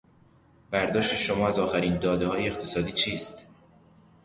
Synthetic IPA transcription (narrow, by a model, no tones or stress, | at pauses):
b̥æɾd̪ɒːʃt̪e̞ʃomɒːæzɒːxæɾiːnd̪ɒːd̪ehɒːjeːxt̪ʰe̞sɒːd̪iːt͡ʃʰiːst̪